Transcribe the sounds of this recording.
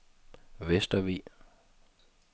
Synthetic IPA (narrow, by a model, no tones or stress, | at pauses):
ʋesd̥ɐʋḭː